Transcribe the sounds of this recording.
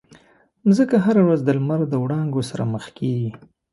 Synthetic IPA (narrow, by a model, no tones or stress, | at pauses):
zəkaɦaɾawɾazd̪əlmaɾd̪əwɽɑŋɡosaɾa̰məxkeɡi